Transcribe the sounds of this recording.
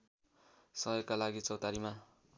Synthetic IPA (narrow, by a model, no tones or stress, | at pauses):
sʌjʌkalaɡit͡sʌwt̪aɾima